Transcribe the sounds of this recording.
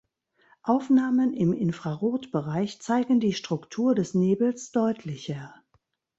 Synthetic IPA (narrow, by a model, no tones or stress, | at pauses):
ʔaʊfnaːmənɪmɪnfʁ̥aʁoːtb̥əʁaɪçt͡saɪɡŋ̩diːʃtʁ̥ʊktʰuːɐdɛsneːbl̩sd̥ɔʏtʰlɪçɐ